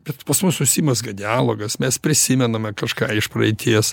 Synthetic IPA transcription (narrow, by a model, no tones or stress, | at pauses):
bʲɛt̪pɐsmʊsʊʃʲsʲiːmɐsɡɐd̪ʲɪaːlˠoːɡɐsmʲɛspʲɾʲɪsʲɪmʲɛnɐmʲɛkɐʃkɑːɪʃpɾɐɪt̪ʲiɛs